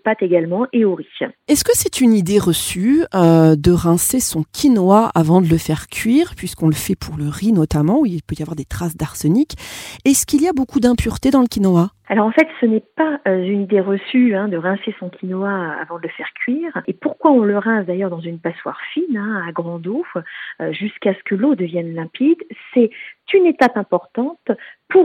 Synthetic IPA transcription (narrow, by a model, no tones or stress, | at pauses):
pat̪eɡalmɑ̃ʔeoʁiɛskəsɛt̪ʰynid̪eʁəsyød̪əʁɛ̃sesɔ̃kʲʰinwaa̰vɑ̃d̪ələfɛʁkʲʰɥiːʁpɥiskɔ̃ləfɛpʰuʁləʁinɔt̪amɑ̃ilpøjavwaʁd̪et̪χasd̪aʁsɔnikɛskiliabokud̪ɛ̃pyʁt̪ed̪ɑ̃ləkʲinwa | alɔʁɑ̃fɛt̪sənɛpaøzynid̪eʁəsyɛ̃d̪əʁɛ̃sesɔ̃kʲʰinwaa̰vɑ̃d̪ələfɛʁkʲɥiːʁepuʁkwaɔ̃ləʁɛ̃sd̪ajœʁd̪ɑ̃zynpaswa̰ʁfinɛ̃aɡʁɑ̃d̪o | ʒyskasə̥kəlod̪əvjɛnlɛ̃pid̪sɛt̪ynet̪apɛ̃pɔʁt̪ɑ̃t̪puʁ